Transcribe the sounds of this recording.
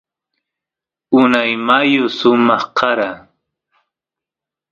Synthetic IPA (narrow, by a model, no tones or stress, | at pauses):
ʊnajmajʊsʊmɑχqʰɑɾa